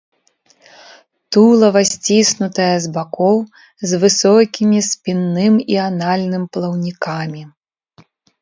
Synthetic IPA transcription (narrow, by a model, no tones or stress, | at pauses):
t̪ulˠɐvasʲt͡sʲisnut̪ɐjɐzbakɔw | zvɨsɔkʲimʲispʲinːɨmianalʲnɨmplˠɐwnʲikamʲi